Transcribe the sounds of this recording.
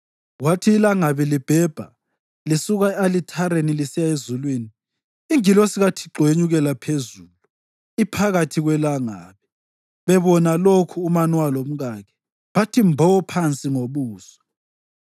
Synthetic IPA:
watʰiːlaŋaβilib̥ʱɛb̥ʱa̰ | lisuɣaalitʰaɾenilisijaezulwiniː | ŋilosiɣatʰi̥ǃʱweɲuɣɛlapʰezulu | ipʰaɣatʰiɣwɛlaŋa̰ːβi | βɛβɔnalokʰuːmanwalom̩ɣaɣɛ | βatʰimbʱɔɔpʰant͡sʼiŋoβuːsɔ̥

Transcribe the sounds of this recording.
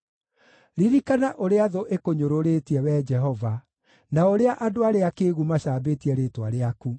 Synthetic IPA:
ɾiɾikanaʔoɾeaðoʔekoɲoɾoɾetiɛwɛd͡ʒɛɦɔva | naoɾeaʔadoaɾeakeːɣumaɕabetiɛɾeːtwaɾeaku

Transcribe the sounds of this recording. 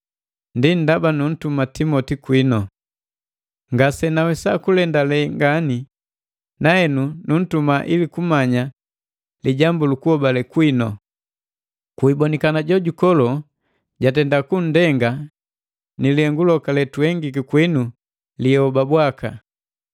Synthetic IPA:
ndin̩dabanun̩tumatimɔtikwinɔ | ŋɡasɛnawɛsakulɛndalɛŋɡani | nahɛnunun̩tumaʔilikumaɲa | liɟambulukuhɔbalɛkwinɔ | kuibɔnikanaɟɔɟukɔlɔ | ɟatɛndakun̩dɛŋɡa | niliɛŋɡulɔkalɛtuhɛŋɡik̬ikwinu | liɔbabwaka̰

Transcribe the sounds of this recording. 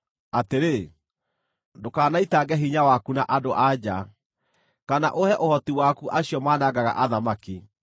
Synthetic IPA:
ateɾe | ndokaːnaitaɡɛɦiɲawakunaʔadoʔad͡ʑa | kana̰ʔohɛʔohɔtiwakuʔaɕjɔmaːnaɡaɣa̰ʔaðamaki

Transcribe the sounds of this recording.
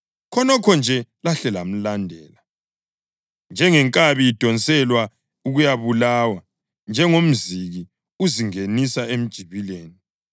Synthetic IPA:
kʰɔnɔkʰɔnd͡ʒʱɛlaɬɛlam̩landʱɛːla | nd͡ʒʱɛŋɛŋkʼaβiid̥ʱɔnt͡sʼɛlwa | uɣujaβulawa | nd͡ʒʱɛŋom̩ziɣi | uziŋenisaem̩d̥ʒ̥ʱiβileːni

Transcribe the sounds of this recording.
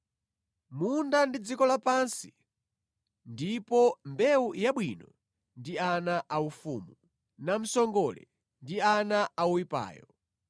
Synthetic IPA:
mundandid͡zikɔlapansi̥ | ndipɔmbɛujaɓwinɔ | ndianaʔaufuːmu | nam̩sɔŋɡɔlɛ̰ | ndianaauwipa̰ːjɔ

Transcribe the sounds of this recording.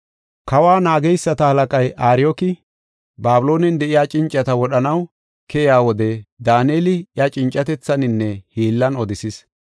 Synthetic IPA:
kɐwaːnaːɡɛjsːɐt̪ɐhɐlɐkʼɐjʔaːɾɪjokɪ | baːbʊlo̞ːnɛnd̪ɛʔɪjaːt͡ʃʼɪnt͡ʃʼːɐt̪ɐwɔɗɐnɐw | kɛjaːwɔd̪ɛd̪aːneːlɪjɐt͡ʃʼɪnt͡ʃʼːɐt̪ɛt͡sːɐnɪnːɛhiːlːɐnɔd̪ɪsɪs

